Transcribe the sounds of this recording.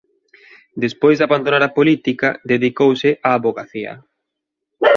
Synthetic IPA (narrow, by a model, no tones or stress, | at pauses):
d̪espojzd̪aβand̪onaɾapolit̪ikɐd̪eðikowsɪʔaːβoɣaθiɐ̰